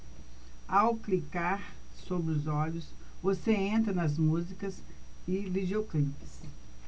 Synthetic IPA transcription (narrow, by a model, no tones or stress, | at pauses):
awklikaɾ | sobɾɪʊzɔʎʊs | voseẽnt̪ɾɐnɐzmuzikɐzɪvid͡ʒeoklipɪ̥s